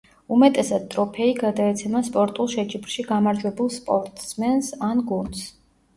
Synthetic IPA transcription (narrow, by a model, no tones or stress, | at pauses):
umɛt̪ʼɛsad̪̥̚t̪ʼɾɔpʰɛiɡad̪aɛt̪sʰɛmaspʼɔɾt̪ʼulˠʃɛt͡ʃʼibɾʃiɡamaɾd͡ʒ̪wɛbulˠspʼɔɾt̪ʼsmɛnsanɡund̪s